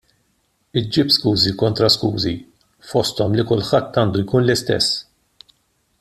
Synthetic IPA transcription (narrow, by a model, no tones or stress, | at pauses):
ɪd͡ʒɪpskuːzikɔnt̪ɾɐskuːzi | fɔst̪ɔmlikʊlħɐt̪ːɐːnd̪ujkuːnlɪst̪ɛ̰sː